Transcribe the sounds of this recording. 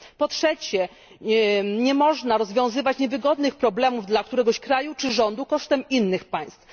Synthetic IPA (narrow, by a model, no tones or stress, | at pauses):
pɔtʂɛt͡ɕɛ | ɲɛmɔʐnaɾɔzvʲjɔ̃w̃zɘvat͡ɕɲɛvɘɡɔd̪nɘxpɾɔblɛmuvd̪lak̚t̪uɾɛɡɔɕkɾajut͡ʂɘʐɔnd̪ukɔʂt̪ɛminːɘxpaj̃st̪f